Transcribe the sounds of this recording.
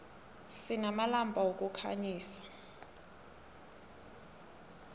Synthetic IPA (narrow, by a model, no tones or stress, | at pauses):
sinamalambʼʱawok̬ʼukʰa̰ɲiːsḁ